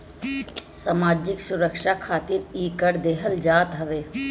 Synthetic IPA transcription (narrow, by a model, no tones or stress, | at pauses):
samaːd͡ʒɪksʊɾəkʃakʰaːt̪ɪɾiːkəɾd̪eɦəld͡ʒaːt̪ɦəʋeː